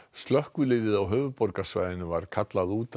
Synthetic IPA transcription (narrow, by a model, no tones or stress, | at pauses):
st̪lœhkvʏlɪːðɪðawɦœːvʏðpɔɾkasva̰jðɪnʏvaɾ̥kʰat̪laðuːt̪